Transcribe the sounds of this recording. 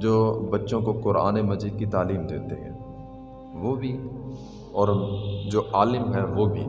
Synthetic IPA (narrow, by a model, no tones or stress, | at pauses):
d͡ʒoːbɐtːʃõkokʊɾa̰ːnemɐzd͡ʒid̪̚kit̪aːliːmd̪eːt̪ḛɦɛ̰̃ː | ʋobʱi | ɔːɾd͡ʒoːʔaːlɪmɦɛʋobʱḭː